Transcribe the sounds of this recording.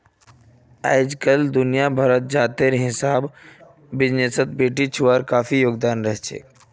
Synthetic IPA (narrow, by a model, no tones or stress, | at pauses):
a̰ːjd͡ʒkəld̪ʊnijabʱəɾət̪̚d͡ʒaːt̪eɾɦɪsaɦbː | ɪd͡ʒnesət̪̚beːʈit͡ʃʰuwaːɾkaːfʰijoːɡd̪aːnɾəɦɛt͡ʃʰḛː